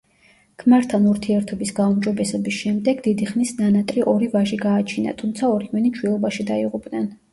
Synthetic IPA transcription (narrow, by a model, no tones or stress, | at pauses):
kʰmaɾt̪ʰːanuɾt̪ʰiɛɾt̪ʰɔbisɡaumd͡ʒɔbɛsɛbisʃɛmd̪ɛɡd̪id̪iχnisnanat̪ʼɾiʔɔɾivaʒiɡaːt͡ʃʰina̰t̪ʰumt̪sʰaɔɾiwɛnit͡ʃʰwilˠɔbaʃid̪aiʁupʼnɛn